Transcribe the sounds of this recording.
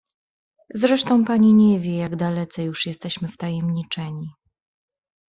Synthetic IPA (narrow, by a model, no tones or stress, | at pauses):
zɾɛʂt̪ɔ̃w̃paɲiɲɛvʲjɛjaɡd̪alɛt̪sɛjuʂjɛst̪ɛɕmɘft̪ajɛmɲit͡ʂɛɲi